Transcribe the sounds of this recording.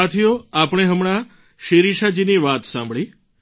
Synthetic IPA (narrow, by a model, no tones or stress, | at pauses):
t̪ʰijoapɳ̃eɦəmɳ̃a | ʃeɾiʃad͡ʒiniʋat̪sãmbɭi